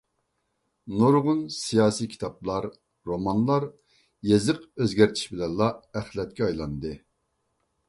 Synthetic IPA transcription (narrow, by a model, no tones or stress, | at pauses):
noɾʁʊnsijɑːsikʲʰi̥t̪ʰɑp̚lˠɑɾ | ɾomɑnlˠɑɾ | jezɨqøzɡʲɛɾt̪ʰi̥ʃbɪlɛnlˠɑɛχlɛt̪̚kʲɛɑjlˠɑnd̪ɨ